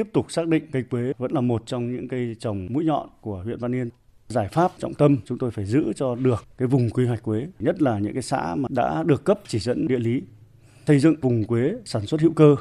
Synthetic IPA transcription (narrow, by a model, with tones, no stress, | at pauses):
t̪i˦˥əp̚t̪ʊ˨˩k͡p̚saː˦˥k̚ɗḭ̈˧˨ŋkə˧jkwe˨˦və̰˧˥nlaː˨˩mo˨˩t̚t͡ɕɔ˧wŋ͡mɲɨ̰˧˥ŋkaəː˨˦jt͡ɕə˨˩wŋ͡mmṵ˧˥jɲɔ̰˧˨nku˧˩əhwḭ˧˨ənvaː˧nːi˧ən | zaː˧˩jfaː˦˥p̚t͡ɕɔ̰˧˨wŋ͡mt̪ə˧mt͡ɕʊ˨˦ŋ͡mt̪o˧jfaː˧˩jzɨ̰˧˥t͡ɕɔ˧ɗɨ˨˩əkːaː˨˦jvʊ˨˩ŋ͡mkwi˧ɦwa˨˩jk̟̚kwe˨˦ɲə˦˥t̚laː˨˩ɲɨ̰˧˥ŋkaː˨˦jsa̰ː˧˥maː˨˩ɗa̰ː˧˥ɗɨ˨˩əkːə˦˥p̚t͡ɕi˧˩zə̰˧˥nɗḭ˧˨əli˨˦ | sə˧jzɨ̰˧˨ŋvʊ˨˩ŋ͡mkwe˨˦saː˧˩nswə˦˥t̚hḭ˧˨wkəː˧